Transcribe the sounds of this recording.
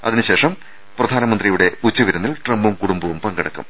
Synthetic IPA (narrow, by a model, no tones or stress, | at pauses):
ɐ̰ðinɨɕe̞ːʂɐm | prɐd̪ʱaːnɐmɐnd̪rijuɽe̞ut͡ɕːuʋiɾɐnːilʈrɐmbumkuɽumbɐʋumpɐŋɡɐɽɐkːṵm